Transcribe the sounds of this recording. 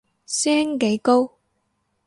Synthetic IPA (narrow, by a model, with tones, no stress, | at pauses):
sɛː˥ŋke˨˥jko˥w